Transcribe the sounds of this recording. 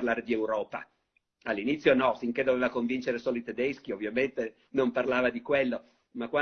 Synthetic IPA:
rlaːɾed̪iewɾɔːpa̰ | alːinit̪sːjonɔsiŋk̟ed̪oveːvakoɱvint͡ʃeɾesɔːloit̪ed̪esk̟iovːjament̪e | nomparlaːvad̪ikwelːo | makːwa

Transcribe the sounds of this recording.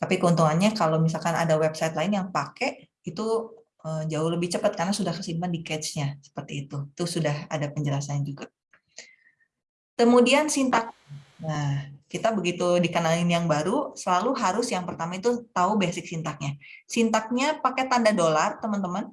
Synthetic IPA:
t̪apikəunt̪uŋanɲakalowmis̬alkana̰dawɛpsajt̪laɪnjaŋpake | it̪u | əd͡ʒaʊhləbɪht͡ʃəpat̪̚karnasudahkəsidmandikɛt̪sɲasə̥pərt̪iːt̪uit̪usudaha̰dapəɲd͡ʒəlasad͡ʒuɡa | kəmudiansint̪ak̚ɲanakit̪abəɡit̪udikənalɪnjaŋbaɾusəlaluɦaɾʊsjaŋpərt̪amait̪ut̪aubɛsɪk̚sint̪ak̚ɲasint̪ak̚ɲapaket̪andadolart̪əmənt̪əmən

